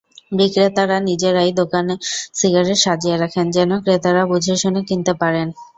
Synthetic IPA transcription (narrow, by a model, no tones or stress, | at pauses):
bɾikɾet̪aɾanid͡ʑeɾajd̪okanesiɡaɾeɾʃad͡ʑieɾakʰend͡ʑɛnokɾet̪aɾabud͡ʑʱeʃonekint̪epaɾen